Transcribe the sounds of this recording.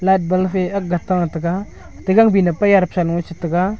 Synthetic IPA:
ladbalfeaɡataŋataɡa | təɡaŋbinapajaɾpsalŋat͡ʃitaka

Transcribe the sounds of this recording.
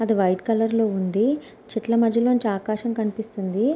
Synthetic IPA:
ɐd̪iʋɐjʈkɐlɐɾlo̞ːund̪i | t͡ʃiʈlɐmɐd̪ʱjɐloːuɲt͡ʃiaːkaːʃɐmkɐnipist̪und̪i

